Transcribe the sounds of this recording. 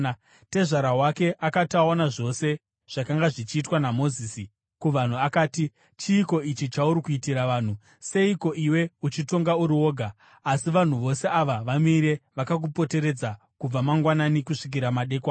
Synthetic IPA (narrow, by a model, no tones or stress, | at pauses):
te̞ʐaɾaɦwake̞ʔakatao̞naʐo̞se̞ | ʐ̥akaŋɡaʐit͡ʃiːtwanamo̞ziːsi | kuʋan̤uakaːti | t͡ʃiːko̞it͡ʃit͡ʃauɾikuitiɾaʋaːn̤u | se̞iko̞ʔiwe̞ut͡ʃito̞ŋɡauɾiwo̞ːɡʱaː | siʋan̤uʋo̞se̞aʋaʋamiɾe̞ʋakak̬upo̞te̞ɾe̞d͡za | kub͡vamaŋɡwananikuʂik̬iɾamaɗe̞ːkwa